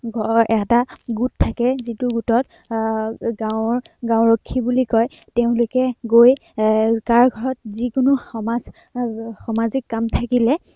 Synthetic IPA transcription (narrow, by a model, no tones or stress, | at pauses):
ɡɔɛtaɡutʰːakɛzitʊɡutɔt | ɡaɹ | ɡãwɹokʰːibulikɔjteʊ̃lʊkɛɡojkaɹɡʱɔɹɔt̚zikʊnʊxɔmaz | xɔmazikːamtʰakilɛ